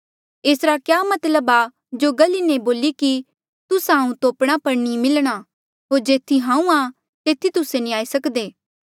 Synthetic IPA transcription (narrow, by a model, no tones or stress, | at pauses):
eːsɾakjaːmɐt̪ləba | d͡ʒoɡɐlineboːliki | t̪ʊsɦãːũt̪oːpɽ̃apɐɾnimɪlɽ̃a | ɦoːɾd͡ʒeːt̪ʰiɦãːũa | t̪eːt̪ʰit̪ʊseniaːisɐkd̪eː